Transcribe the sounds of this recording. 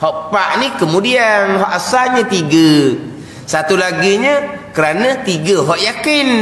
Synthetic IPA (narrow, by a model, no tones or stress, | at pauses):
hɔʔpaʔnikəmudianɦɔʔasalɲət̪iɡə | sat̪ulaɡiɲəkəɾanət̪iɡəɦɔʔjakɪn